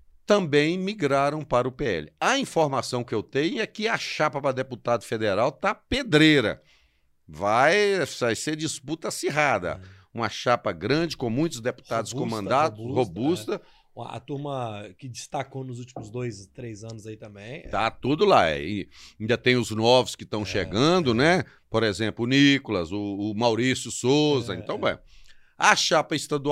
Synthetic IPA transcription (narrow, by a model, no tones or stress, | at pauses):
t̪ɐ̃bẽj̃miɡɾaɾɐ̃w̃paɾɐʊpeɛ̰lɪɐĩfoɾmasɐ̃w̃kɪewt̪ẽɲʊɛkɪɐʃapɐpɾɐd̪eput̪ad̪ʊfed̪eɾawt̪aped̪ɾejɾɐ̰ | vajajseɾd͡ʒisput̪ɐasiɦad̪ɐ̰ | ũmɐʃapɐɡɾɐ̃d͡ʒɪkõmũj̃t̪ʊzd̪epu̥t̪ad̪ʊskõmɐ̃nd̪at̪ʊhobust̪ɐ | ɐ̰t̪uɾmɐkɪd͡ʒist̪akonʊzut͡ʃimʊzd̪ojst̪ɾejzɐ̃nʊzait̪ɐ̃mbẽj̃t̪at̪ud̪ʊlaɛ̰ĩĩd̪ɐt̪ẽj̃ʊznɔvʊskɪt̪ɐ̃w̃ʃeɡɐ̃d̪ʊnɛ | poɾezẽmplʊʊnikʊlɐzʊːmawɾisjʊsozɐẽnt̪ɐ̃w̃bḛ̃ | ɐʃapɐist̪ad̪u